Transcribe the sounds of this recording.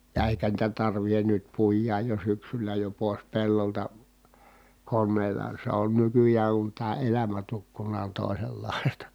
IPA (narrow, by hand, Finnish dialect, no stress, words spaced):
jɑ eˑikæ niːtæ tɑrʋihen nyt puijˑɑːj jo syksylæ jo poˑes pelːoltɑ konːeːlɑ se on nykyjæːŋ kun tæː elæmæ tukːunˑɑː on toˑiselːɑˑistɑ̥